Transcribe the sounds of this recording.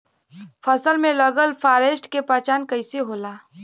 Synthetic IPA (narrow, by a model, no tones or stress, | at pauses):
fʰɐsəlmẽlɐɡəlfaːɾeːsʈkepaːt͡ʃaːnkɐɪseɦoːlaː